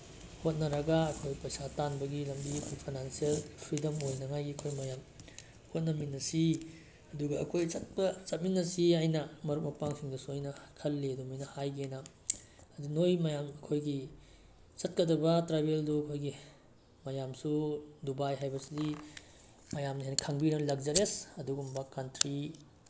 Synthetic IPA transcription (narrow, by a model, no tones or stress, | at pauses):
hot̚nɐɾɐɡaɐkʰojpɐjsatanbɐɡilɐmbikʰopʰajnansielpʰɾidɐmojnɐŋajɡiɐkʰojmɐjam | hot̚nɐminːɐsi | ɐduɡɐɐkʰojsɐt̚pɐsɐt̚minːɐsiajnɐmɐɾuk̚mɐpaŋsiŋdɐsuɐjnɐkʰɐlːedumijnɐhajɡenɐ | ɐdunojmɐjamɐkʰojɡi | sɐt̚kɐdɐbɐtɾabelduɐkʰojɡi | mɐjamsudubajɦajbɐsidi | mɐjamnɦejnɐkʰaŋbinɐlɐkzɐɾesɐduɡumbɐkantɾi